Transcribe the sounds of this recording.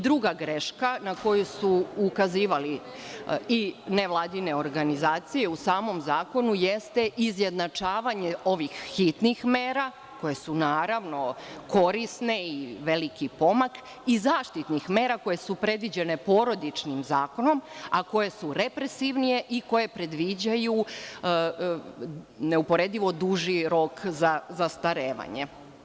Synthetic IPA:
d̪ɾuɡaɡɾeʃkanako̞jusuːkaziːʋali | ineʋlˠaːd̪ine̞o̞ɾɡanizaːt̪sije̞usaːmo̞mzaːko̞nuje̞st̪e̞ʔizje̞d̪nat͡ʃaːʋaɲe̞o̞ʋixːit̪nixmeːɾa | ko̞je̞sunaːɾaʋno̞ko̞ɾisneiʋe̞likipo̞mak | izaːʃt̪it̪nixme̞ːɾako̞je̞supɾe̞d̪ʋid͡ʑe̞ne̞po̞ɾo̞d̪it͡ʃnimzaːko̞no̞mako̞je̞suɾe̞pɾesiʋnije̞ʔiko̞je̞pɾe̞d̪ʋid͡ʑaju | ne̞upo̞ɾe̞d̪iʋo̞d̪uʒiɾo̞kzazast̪aɾeːʋa̰ɲe

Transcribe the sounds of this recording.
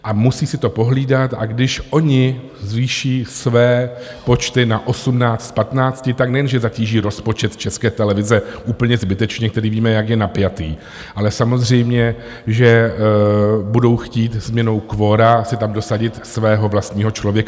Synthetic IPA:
ʔamusiːsɪt̪o̞po̞ɦliːdat̪ʔa̰ɡdɪʃʔo̞ɲɪ | zviʃiːsvɛː | po̞t͡ʃt̪ɪnaʔo̞sumnaːt͡st̪pat̪naːt͡scɪt̪aknɛjɛnʒɛzaciːʒiːɾo̞spo̞t͡ʃɛt̪t͡ʃɛskɛːt̪ɛlɛvɪzɛʔuːpl̩ɲɛzbɪt̪ɛt͡ʃɲɛk̚t̪ɛɾiːviːmɛjakjɛnapjat̪iː | ʔalɛsamo̞zr̝ɛjmɲɛ | ʒɛ | budo̞wxciːt̪zmɲɛno̞wkvo̞ːɾasɪt̪amdo̞saɟɪt̪svɛːɦo̞vlast̪ɲiːɦo̞t͡ʃlovjɛka

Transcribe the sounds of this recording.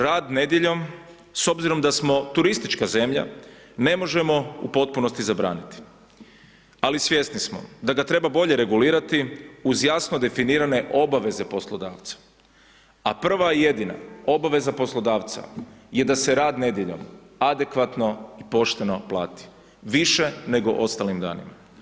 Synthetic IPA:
ɾaːd̪ne̞d̪jeʎo̞m | so̞bziɾo̞md̪asmo̞t̪uɾist̪it͡ʃkaze̞mʎa̰ | ne̞mo̞ʒe̞mo̞ṵpo̞t̪̚puno̞st̪izabɾa̰ːnit̪i̥ | alisʋjest̪nismo̞̰d̪aɡat̪ɾe̞babo̞ʎe̞ɾe̞ɡuliːɾat̪iuzjasnod̪e̞finiːɾane̞ʔo̞baʋe̞ze̞po̞slˠod̪aːʋt̪sḁ | apr̩ʋaije̞d̪ina̰o̞baʋe̞zapo̞slo̞d̪aːʋt̪sa̰je̞d̪ase̞ɾaːd̪ne̞d̪jeʎo̰m | ad̪e̞kʋat̪no̞ipo̞ʃt̪e̞no̞plˠaːt̪i̥ | ʋiʃe̞ne̞ɡo̞̰ʔo̞st̪alimd̪a̰ːnḭma

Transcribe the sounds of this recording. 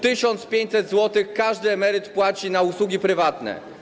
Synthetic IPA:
t̪ɘɕɔnt̪spʲjeɲt͡ɕʲsɛd̪zwɔt̪ɘxkaʐd̪ɘɛmɛɾɘt̪pwat͡ɕinauswuɡʲipɾɘvat̪nɛ̰

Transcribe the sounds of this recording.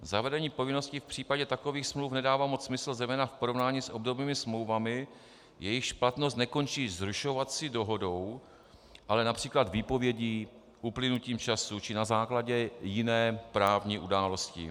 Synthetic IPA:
zavɛdɛɲiːpo̞vɪno̞scɪfpr̝̥iːpaɟɛt̪ako̞viːxsmlufnɛdaːvaːmot͡ssmɪsl̩zɛjmɛːnafpoɾo̞vnaːɲiːsʔo̞bdo̞bniːmɪsmlowvamɪ | jɛjɪʃplat̪nost̪nɛko̞nt͡ʃiːzɾuʃo̞vat̪sɪdo̞ɦo̞do̞w | ʔalɛnapr̝̥iːklat̪viːpo̞vjɛɟiː | ʔuplɪnuciːmt͡ʃasut͡ʃɪnazaːklaɟɛjɪnɛːpɾaːvɲiːʔudaːlo̞scɪ̰

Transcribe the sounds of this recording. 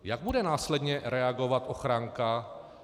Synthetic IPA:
jaɡ̚budɛnaːslɛdɲɛɾɛaɡo̞vat̪ʔo̞xɾaŋka

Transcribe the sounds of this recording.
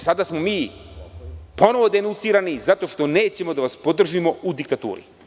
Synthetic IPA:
sad̪asmo̞miː | po̞no̞ʋo̞d̪enunt̪siːɾanizat̪o̞ːʃt̪o̞neːt͡ɕemo̞d̪aʋaspo̞d̪r̩ʒimoud̪ik̚t̪at̪ṵːɾḭ

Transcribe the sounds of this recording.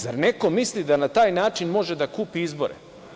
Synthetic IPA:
zaɾne̞ko̞mislid̪anat̪aːjnaːt͡ʃinmo̞ʒe̞d̪akuːpiizbo̞̰ɾḛ

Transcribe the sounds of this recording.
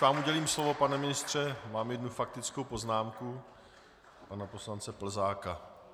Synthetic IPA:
aːmʔuɟɛliːmslo̞vo̞panɛmɪnɪst̪r̝̥ɛmaːmjɛdnufak̚t̪ɪt͡skowpo̞znaːmku | panapo̞slant͡sɛpl̩zaːka

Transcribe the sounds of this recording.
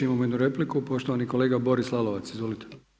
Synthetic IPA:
imamojed̪nuɾeplikupo̞ʃt̪oʋaniko̞leːɡabo̞ɾislˠaloʋat̪sizʋolit̪e̥

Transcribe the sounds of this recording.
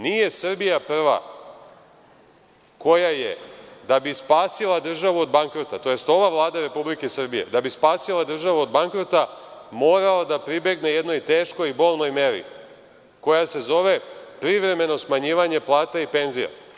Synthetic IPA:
nije̞sr̩bijapr̩ʋa̰ | ko̞jajḛd̪abispaːsilˠad̪r̩ʒaʋuod̪baŋkɾot̪at̪o̞je̞st̪o̞ʋaʋlˠaːd̪aɾe̞publikesɨr̩bije̞̰d̪abispaːsilˠad̪r̩ʒaʋuod̪baŋkɾot̪amo̞ːɾalad̪apɾibe̞ɡne̞je̞d̪no̞jt̪e̞ːʃko̞jibo̞ːlˠno̞jme̞ɾḭ | ko̞jase̞zo̞ʋe̞pɾiʋɾe̞me̞no̞smaɲiːʋaɲe̞plˠaːt̪aipe̞nzija̰

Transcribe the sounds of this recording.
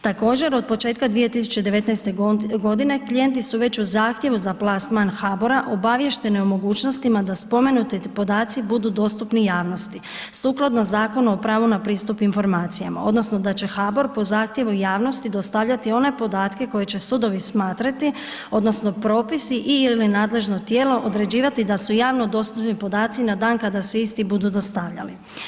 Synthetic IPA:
t̪ako̞ːd͡ʑe̞ɾo̞d̪̚po̞t͡ʃe̞ːt̪kad̪ʋije̞t̪isu̥t͡ʃed̪eʋe̞t̪najst̪e̞ɡo̞d̪ine̞klije̞nt̪isuʋe̞t͡ɕuzaːxt̪je̞ʋuzaplˠasmanxaːboɾaʔo̞baʋje̞ʃt̪e̞neumo̞ɡuːt͡ʃno̞st̪imad̪aspo̞me̞nut̪ipo̞d̪aːt̪sibud̪ud̪o̞ːst̪upnijaːʋno̞st̪i | suːklˠad̪no̞zaːkonuopɾaːʋunapɾiːst̪upinfo̞ɾmaːt̪sijama̰o̞d̪no̞sno̞d̪at͡ɕe̞xaːbo̞ɾpo̞zaːxt̪je̞ʋujaːʋno̞st̪id̪o̞st̪aʋʎat̪io̞ne̞po̞d̪aːt̪ke̞ko̞jet͡ɕe̞sud̪o̞ʋismaːt̪ɾat̪i | o̞d̪no̞sno̞pɾo̞ːpisiʔiilinaːd̪le̞ʒno̞t̪je̞ːlo̞ʔod̪ɾe̞d͡ʑiːʋat̪id̪asujaːʋno̞d̪o̞st̪upnipo̞d̪aːt̪sinad̪aːnkad̪aseist̪ibud̪ud̪o̞st̪aʋʎa̰li

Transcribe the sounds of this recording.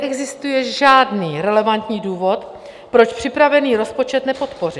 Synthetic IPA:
ʔɛɡzɪst̪ujɛʒaːdniːɾɛlɛvant̪ɲiːduːvo̞t̪ | pɾo̞t͡ʃpr̝̥ɪpɾavɛniːɾo̞spo̞t͡ʃɛt̪nɛpo̞t̪po̞rɪ

